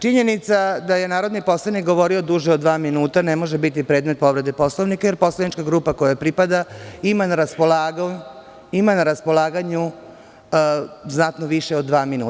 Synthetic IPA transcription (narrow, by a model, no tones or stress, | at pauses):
t͡ʃiɲe̞nit̪sad̪aje̞naːɾo̞d̪nipo̞slˠanikɡo̞ʋo̞ɾio̞d̪uʒeoʋaːminuːt̪anemo̞ʒebit̪ipɾe̞ːd̪met̪̚po̞ʋɾe̞d̪epo̞slˠoʋnikajeɾpo̞slˠanit͡ʃkaɡɾuːpako̞japɾipad̪aimanaɾaspolaːɡ | imanaɾaspo̞lˠaːɡaɲu | znat̪noʋiʃeod̪ːʋaːminuː